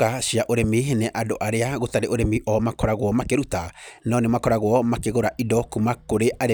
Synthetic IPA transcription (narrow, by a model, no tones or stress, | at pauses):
aʃiaʔoɾemeːɦenɛʔadoʔaɾeaɣotaɾeʔoɾemiʔɔmakɔɾaɣwɔmakeɾutanɔnemakɔɾaɣwɔmakeɣoɾaʔidɔkumakoɾeʔaɾe